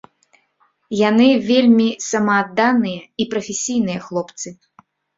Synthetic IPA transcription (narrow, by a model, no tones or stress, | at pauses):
janɨvʲelʲmʲisɐmɐːd̪ːanɨjɐipɾɐfʲesʲijn̪ɨjɐxlˠɔpt̪sɨ